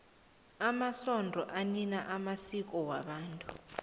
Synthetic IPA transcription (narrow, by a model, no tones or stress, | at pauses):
amasɔndʱɔʔaninaʔamasik̬ʼɔwaɓaːntʼu